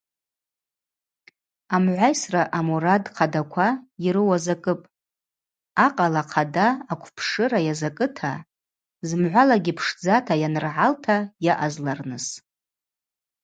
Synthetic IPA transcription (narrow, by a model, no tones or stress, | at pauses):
amʕʷajsraʔamuɾadqʰadakʷʰaiɾɨwazakʼɨpʼ | aqʼalaqʰadaːkʷʰpʰʂɨɾajazakʼɨtʰa | zmʕʷalaɡʲipʰʂd͡zatʰajanɨrʕaltʰajaʔazlarnɨs